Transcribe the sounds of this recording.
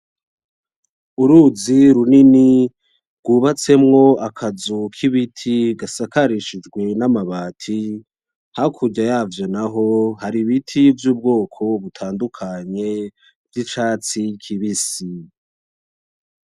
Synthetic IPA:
uɾuziɾunini | ɡ̥uːβat͡se̞mŋo̞akʰazukʰiβitʰiɡasakaɾiʃid͡ʒɡwe̞namaβaːtʰi | hakʰuɟajaːvjo̞naɦo̞haɾiβitʰivjuːb̚ɡo̞ːkʰo̞βutʰaːndukʰaɲe̞ | vjit͡ʃaːt͡sikʰiβisi

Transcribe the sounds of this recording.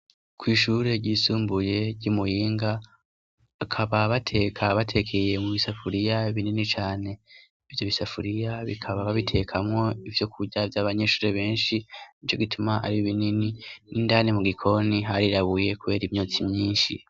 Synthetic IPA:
kwiːʃuːɾe̞ɟiːsuːmbuje̞ɟumujiːŋɡaː | kʰaβaβatʰe̞kʰaβatʰe̞kʰe̞je̞muβisafuɾijaβininit͡ʃaːne̞ | ivjo̞βisafuɾijaβikʰaβaβaβitʰe̞kʰamŋo̞ivjo̞kʰuɟavjaːβaɲe̞ʃuːɾeβe̞ːnʃiit͡ʃoɡitʰumaʔa̰ɾiβinininindanemuɡikʰo̞niɦaɾiɾaβuje̞kuβe̞ːɾimɲot͡simɲiːnʃḭ

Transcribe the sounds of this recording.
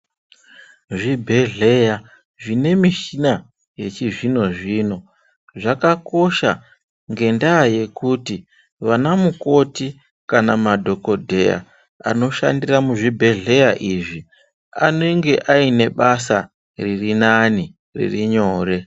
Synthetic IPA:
ʐibʱe̞ɮe̞ja | ʐine̞miʃina | je̞t͡ʃiʐino̞ʐiːno̞ | ʐakako̞ʃa̰ | ŋɡe̞ndaːje̞kuːti | ʋanamuko̞ti | kanamadʱo̞ko̞dʱeja̰ | a̰no̞ʃa̰ndiramuʐibʱe̞ɮe̞jaʔiʐi | ane̞ŋɡe̞ʔaine̞ɓasa | ririnani | rḭriɲo̞ːre̞

